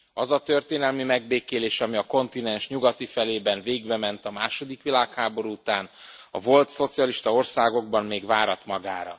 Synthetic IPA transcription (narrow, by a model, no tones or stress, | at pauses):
ɒzɒt̪ø̞rt̪eːnɛlmimɛɡ̚beːkeːleːʃɒmiɒko̞nt̪inɛnʃɲuɡɒt̪ifɛleːbɛnveːɡbɛmɛnt̪ɒmaːʃo̞d̪ikʋilaːkhaːbo̞ɾuut̪aːnɒ̰vo̞lt̪so̞t̪sijɒliʃt̪ɒo̞rsaːɡo̞ɡ̚bɒmmeːɡʋaːɾɒt̪mɒɡaːɾɒ̰